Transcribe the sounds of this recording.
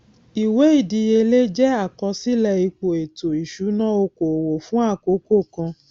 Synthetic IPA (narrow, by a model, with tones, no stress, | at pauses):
i˨we˨˦i˦˨di˧˦je˧le˦d͡ʒɛ˦a˦˨kɔ˧˦si˦lɛ˦˨i˧k͡po˨e˨to˨i˨ʃu˨˦nã˦o˧ko˨wo˨fũ˦a˦˨ko˨˦ko˦˨kã˧